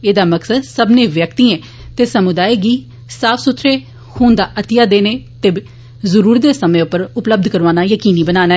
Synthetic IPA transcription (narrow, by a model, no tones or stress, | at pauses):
eːd̪aːməksəd̪səbnẽːʋjək̚t̪iːɛ̃ː | t̪eːsəmʊd̪aːiɡiː | saːfʰsʊt̪ʰːɾeː | huːnd̪aːʔət̪ɪjaːd̪eːneːt̪eː | zəɾuːɾd̪eːsəmẽːʊpːəɾʊpləb̚d̪ʱkəɾʋaːnaːjəkiːniːbənaːnaː